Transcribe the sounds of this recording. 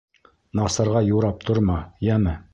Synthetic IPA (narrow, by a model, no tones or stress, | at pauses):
nɑsɑ̆ɾʁɑjuɾɑp̚t̪ʰŏɾmɑjæmɘ